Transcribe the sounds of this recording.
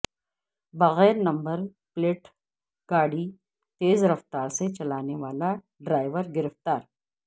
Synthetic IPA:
bɐɣɛːɾnɐ̃mbəɾ | pleːʈ | kaːɖi | t̪eːzɾɐft̪aːɾset͡ʃɐlaːneʋaːla | ɖɾaːɪʋəɾɡɪɾəft̪aːɾ

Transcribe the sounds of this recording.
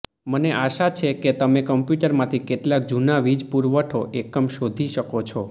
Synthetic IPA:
məneʔaʃat͡ʃʰeket̪əmekəmpjuʈəɾmãt̪ʰikeʈlak̚d͡ʒunaʋid͡ʒpuɾʋəʈʰoʔekəmʃod̪ʱiʃəkot͡ʃʰɔ

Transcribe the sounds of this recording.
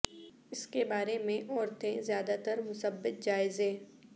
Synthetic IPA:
ɪskebaːɾemẽʔɔːɾt̪ẽzjaːd̪at̪əɾmʊsəbːɪt̪̚d͡ʒaːɪzẽː

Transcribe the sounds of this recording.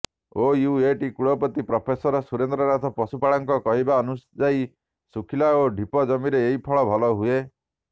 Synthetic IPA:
ojueʈikuɭɔpɔt̪ipɾɔpʰesɔɾɔsuɾend̪ɾɔɾat̪ɔpɔsupaɭɔŋkɔkɔɦibaɔnusd͡ʒai | sukʰilaoɖʱipɔd͡ʒɔmiɾeːɦipʰɔɭɔbʱɔlɔɦue

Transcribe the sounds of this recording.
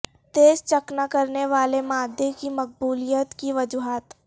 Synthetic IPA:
t̪eːd͡ʒt͡ʃɐknakɐɾneʋaːlemaːd̪ʱjekimɐk̚buːlijət̪kiʋɐd͡ʒuɦaːt̪

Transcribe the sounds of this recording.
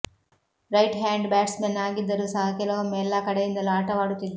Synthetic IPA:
ɾɐjʈɦaːɳɖbaːʈsmenːaːɡid̪ːɐɾusɐɦɐkɛlɐʋɐmɛlːaːkɐɽɐjind̪ɐlaːʈɐʋaːɽut̪il

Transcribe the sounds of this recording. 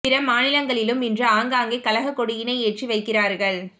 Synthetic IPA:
pɪɾɐmaːnɪlɐŋɡɐɭɪlɯmɪndrɐaːŋɡaːŋɡɐɪkɐlɐɣɐkːɔɽɯjɪnɐɪeːʈriʋɐɪkːɪraːɾɣɐɭ

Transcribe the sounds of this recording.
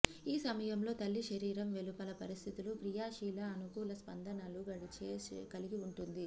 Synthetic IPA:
iːsɐmɐjɐmlo̞ːt̪ɐlːiʃɐɾiːɾɐmʋe̞lupɐlɐpɐɾist̪ʰit̪ulukɾijaːʃiːlɐːnukuːlɐspɐnd̪ɐnaːluɡɐit͡ʃeːkɐliɡiuɳʈund̪i

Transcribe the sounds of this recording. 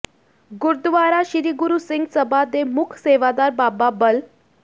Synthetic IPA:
ɡʊɾd̪ʋaːɾaʃiɾiːɡuɾusɪŋɡsəbʱad̪emʊkʰseːʋad̪aːɾbaːbabəl

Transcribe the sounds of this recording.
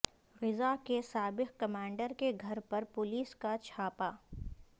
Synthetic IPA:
ɣɪzakesaːbɪɦkɐmãːɳɖəɾkeɡʱɐɾpɐɾpʊliːskat͡ʃʰaːpaː

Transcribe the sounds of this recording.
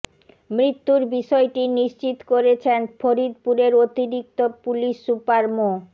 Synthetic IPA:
mɾit̪ːuɾbiʃɔeʈiniʃt͡ɕit̪koɾet͡ɕʰenfʰoɾid̪̚puɾeɾot̪iɾik̚t̪opuliʃːupaɾmo

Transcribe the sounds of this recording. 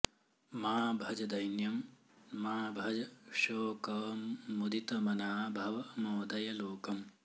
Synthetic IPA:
maːbʱɐd͡ʒɐd̪ɐjnjɐmː | aːbʱɐd͡ʒɐʃoːkɐmud̪it̪ɐmɐnaːbʱɐʋɐmoːd̪ɐjɐloːkɐm

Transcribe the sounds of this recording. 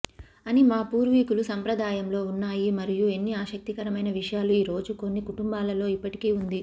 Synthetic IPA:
ɐnimaːpuːɾʋikulusɐmpɾɐd̪ʱaːjɐmlo̞ːunːaːjimɐɾijue̞nːiaːʃɐk̚t̪ikɐɾɐmɐjnɐʋiʂɐjaːluiːɾo̞ːd͡ʒuko̞nːikuʈumbaːlɐlo̞ːipːɐʈi̥keːund̪i

